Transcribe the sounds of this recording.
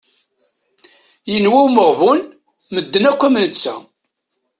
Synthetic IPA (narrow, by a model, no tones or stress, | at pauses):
jənwæwməʁvun | məd̪ːənækʷːæmənt͡sːæ̰